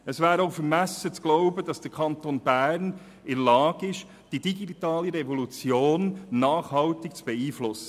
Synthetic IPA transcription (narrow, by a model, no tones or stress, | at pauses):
əsvæːɾoʊfəɾmæsət͡sɡ̥loʊbəd̥ɑsd̥əɾkʰɑnt̪oːnbæːɾn | ɪɾlɑːɡɪʃ | d̥idiɡitɑːliɾɛvɔlut͡sjoːnːɑːχhɑltɪkt͡sb̥ɛiːflʊsə̥